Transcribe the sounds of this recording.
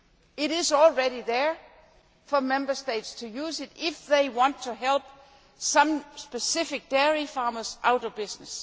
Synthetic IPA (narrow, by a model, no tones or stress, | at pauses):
ɪɾɪzɔlˠɹɛɾiðə˞ | fəmɛ̃mbəsteɪtstʰujuːsɪɾɪfðeɪwɑ̃ntʰːuɦɛlb̥̚ | sʌ̃msb̥ɨsɪfɪk̚d̥ɛɹifɑːməsʔaʊɾʌvbɪsnəs